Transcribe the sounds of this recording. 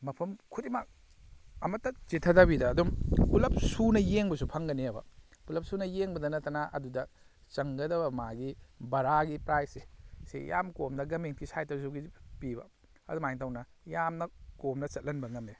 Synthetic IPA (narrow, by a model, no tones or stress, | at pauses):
mɐpʰɐmkʰutimak̚ | ɐmɐtːɐt͡ʃitʰɐdabidɐːdumpulɐp̚sunɐjeŋbɐsupʰɐŋɡɐniɐbɐ̰pulɐp̚sunɐjeŋbɐdɐnɐtːɐnɐʔɐ̰dudɐ | t͡ʃɐŋɡɐdɐbɐmaɡibɐɾaɡipɾajsesḛja̰mkomdɐɡɐmeŋkisajtɐɾsuɡipibɐ̰ | ɐ̰dumajŋtʰawnɐjamnɐkomnɐt͡ʃɐt̚lɐnbɐŋɐme